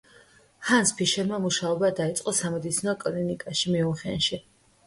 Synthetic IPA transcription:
hanspʰiʃɛɾmamuʃaɔbad̪ait̪sʼqʼɔsamɛd̪it̪sʰinɔkʼlinikʼaʃimiuχɛ̰nʃi

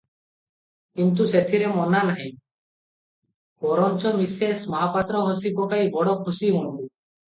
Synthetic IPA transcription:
kint̪̬uset̪ʰiɾemɔnanaɦĩ | bɔɾɔnt͡ʃɔmisesmɔɦapat̪ɾɔɦɔsibɔkaibɔɽɔkʰusiuɽ̃b̪u

